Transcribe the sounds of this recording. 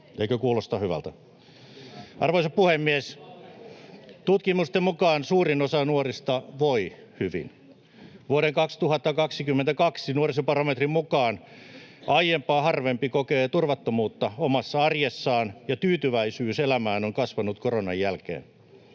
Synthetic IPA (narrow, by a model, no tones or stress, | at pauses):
eikøkuːlost̪ɑhyʋæ̰lt̪æ | ɑrʋoisɑpuhemːies | t̪ut̪kimust̪emmukɑːnsuːrinosɑnuorist̪ɑʋoi | hyʋḭn | ʋuoɾeŋkɑkst̪uhɑt̪ːɑkɑksikymːent̪ækɑksinuorisepɑrɑmet̪rimmukɑːnʔɑijempɑːhɑrʋempikokeːt̪urʋɑt̪ːomuːt̪ːɑomɑsːɑɑrjesːɑːnjɑt̪yːt̪yʋæisyːselæmæːnoŋkɑsʋɑnut̪koronɑjjælkḛːn